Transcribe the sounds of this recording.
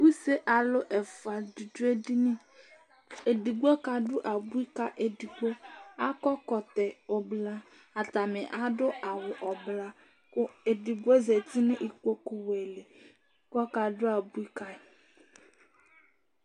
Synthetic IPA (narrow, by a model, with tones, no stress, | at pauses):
bu˦se˦ʔa˨lʊ˦ʔɛ˨fa˨di˨du˦e˦di˦nɪ˦ | e˨di˨ɡo˦ka˨dʊ˦ʔa˨bu˦i˦ka˦ʔe˨di˨ɡo˦a˦kɔ˦kɔ˨tɛ˨ɔ˨bla˦ | a˨ta˨mɪ˨ʔa˦dʊ˦a˨wʊ˨ʔɔ˨bla˦ | kʊ˦e˨di˨ɡo˦ze˨tɪ˦nɪ˦ʔi˨kʷo˦kʊ˦we˨le˨ | kɔ˦ka˨dʊ˦a˨bu˦i˦ka˦˨